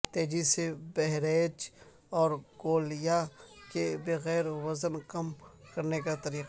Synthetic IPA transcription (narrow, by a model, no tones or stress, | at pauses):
t̪eːd͡ʒisebɛɦɾeːd͡ʒ | ɔːɾɡoːlɪjakebeɣɛːɾwɐzənkɐmkɐɾnekat̪ɐɾiːq